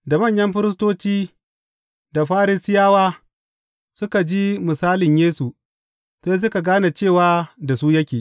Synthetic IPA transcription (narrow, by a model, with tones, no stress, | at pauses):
da˨mɐ˦˨ɲjɐ˦mɸɪ˦ɾɪ˦s̬toː˦t͡ʃiː˦ | da˨ɸaː˦ɾɪ˦sɪ˦jaː˦waː˦ | sʊ˦ka˨d͡ʒi˦mɪ˨saː˦lɪ˨ɲjeː˦su˨ | seː˦s̬ʊ˦ka˨ɡaː˦na˨t͡ʃeː˦˨waː˦da˨suː˦jɐ˦kʲeː˨ʔ